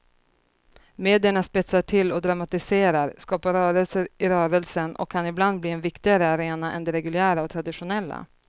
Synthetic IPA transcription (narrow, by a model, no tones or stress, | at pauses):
meːd̪ɪəɳaspɪt̪saʈʰɪlːɔd̪ɾamat̪ɪseːɾaɾskɑːpaɾœːɾəlsəɾɪɾœːɾəɛlsənɔ̰kʰːanɪbland̪bliːɛnvɪkt̪ɪɡaɾəaɾeːnaʔɛ̰nd̪ɛɾɛɡɵlɪæːɾaɔt̪ʰɾad̪ɪɧʊnɛlːa̰